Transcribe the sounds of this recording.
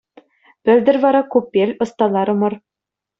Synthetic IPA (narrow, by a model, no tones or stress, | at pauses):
b̥ɘ̆ld̪ɘ̆ɾvɑɾɑkupʲːelʲŏst̪ɑlˠɑɾɤ̆mɤ̆ɾ